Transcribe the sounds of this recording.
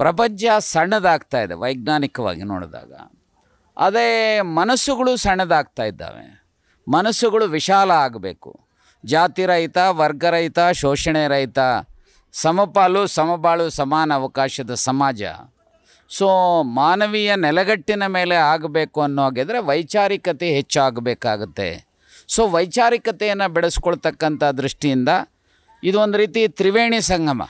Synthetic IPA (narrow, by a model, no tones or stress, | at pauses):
pɾɐp̬ɐɲt͡ʃɐsɐɳːɐd̪aːɡt̪aːjid̪ḛʋɐjɡnaːnikɐʋa̰ːɡino̰ːɽd̪a̰ːɡɐ̰ | ɐ̰d̪emɐnɐsuɡɐɭusɐɳːɐd̪aːɡ̚t̪aːjid̪ːa̰ːʋḛ | mɐnɐsuɡɐɭuʋiʃaːlɐaːɡɐbḛːkṵ | d͡ʒaːt̪iɾɐjit̪ɐʋɐɾɡɐɾɐjt̪ɐʃoːʂɐɳɛɾɐjt̪ɐ | sɐmɐpaːlusɐmɐp̬aːlusɐmaːnɐːʋɐkaːʃɐd̪ɐsɐmaːd͡ʒɐ̰ | soːmaːnɐʋijɐnɛlɐɡɐʈːinɐme̞ːle̞aːɡbe̞ːkuɐnːuɦoːɡeːd̪ɐɾe̞ʋɐjt͡ʃaːɾikɐt̪eɦet͡ʃːuaːɡɐbeːkaːɡut̪ːe̞̰ | so̞ːʋɐjt͡ʃaːɾikɐt̪ɛjɐnːɐbɛɭesu̥kɔɭt̪ɐkːɐnt̪ɐɦd̪ɾuʂʈijind̪ɐ | id̪uond̪uɾiːt̪it̪ɾiʋeːɳisɐŋɡʱɐmɐ̰